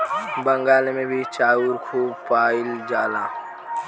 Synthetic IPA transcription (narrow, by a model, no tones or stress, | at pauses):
bə̃ŋɡaːlemẽbʱit͡ʃaːuɾkʰuːbpaːild͡ʒaːlãː